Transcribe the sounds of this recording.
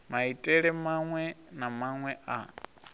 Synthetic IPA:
maitʼɛɺɛmaŋwɛnamaŋwɛʔa̰

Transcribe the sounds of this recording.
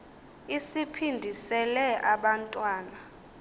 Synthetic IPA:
isipʰindʱisɛlɛʔaɓantʼwaːna

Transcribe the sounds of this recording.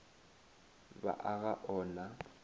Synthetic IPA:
ba̰ʔaɣaʔɔːna

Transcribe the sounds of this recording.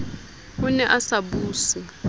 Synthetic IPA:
unɛʔasaɓuːsi

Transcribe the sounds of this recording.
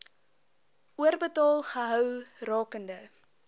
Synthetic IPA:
ʔuərbətɑːlˠχəɦœwrɑːkəndə

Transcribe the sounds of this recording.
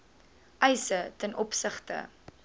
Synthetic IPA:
ʔɛjsətɛnʔɔpsəχtə̰

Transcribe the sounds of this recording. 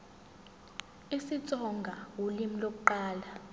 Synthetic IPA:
isit͡sʼɔŋɡʱawulimilok̬ʼuǃaːla

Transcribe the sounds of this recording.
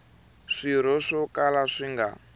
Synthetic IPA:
ʂiɾ̤ɔʂɔkalaʂiŋɡa̰

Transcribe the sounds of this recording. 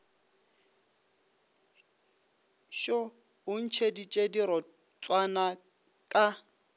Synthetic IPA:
ʃɔ | ʊn̩t͡ʃʰedit͡ʃʼediɾɔ | t͡sʼwana | kʼa

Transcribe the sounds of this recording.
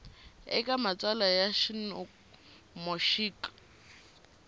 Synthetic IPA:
ɛ̰kʼamat͡sʼalajaʃinɔ | moʃiːkʼḁ

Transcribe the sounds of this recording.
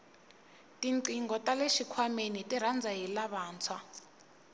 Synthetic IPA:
tʼiǀiŋɡɔtʼaleʃikʰwamenitʼirand͡zʱajilaβaːnt͡sʰwa

